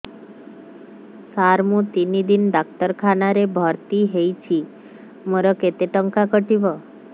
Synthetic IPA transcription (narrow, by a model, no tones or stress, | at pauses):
saɾmũt̪inid̪inɖak̚t̪əɾkʰanaɾebʱɔɾt̪iɦejt͡ʃʰi | moɾɔket̪eʈəŋkakəʈibɔ